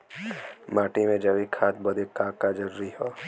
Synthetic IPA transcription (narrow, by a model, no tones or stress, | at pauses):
maːʈimẽd͡ʒɐʋikʰaːt̪̚bɐd̪ekaːkad͡ʒɐɾuːɾiɦoː